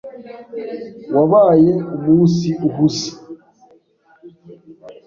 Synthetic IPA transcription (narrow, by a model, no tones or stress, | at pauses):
waβaːjeumuːsiʔuɦusi̥